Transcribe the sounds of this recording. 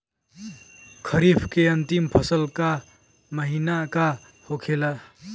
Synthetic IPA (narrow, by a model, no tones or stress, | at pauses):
kʰəɾibʰkeənt̪impʰəsəlka | məɦinaka | hokʰela